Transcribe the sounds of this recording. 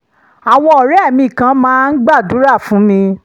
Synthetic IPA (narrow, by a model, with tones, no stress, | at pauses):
a˨w̃ɔ̃˧ɔ˨ɾɛ˦˨mĩ˧i˨kã˧˦mãː˦n̩˦ɡ͡ba˦˨du˨˦ɾa˦˨fũ˨˦mĩ˧